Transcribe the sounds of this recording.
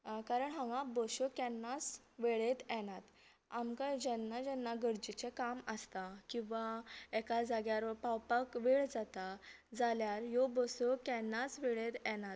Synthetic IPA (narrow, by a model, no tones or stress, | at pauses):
kaɾəɳɦãŋɡãbɔɕɔkɛ̃nːas | ʋeɭet̪ɛnat̪ | amkad͡ʑɛnːad͡ʑɛnːaɡəɾd͡ʑit͡ɕekaməst̪akĩw̃ʋaɛkad͡zaɡjaɾpawpəkʋeɭd͡zat̪a | d͡zaljaɾjɔbɔsɔkɛnːasʋeɭet̪ɛnat̪̚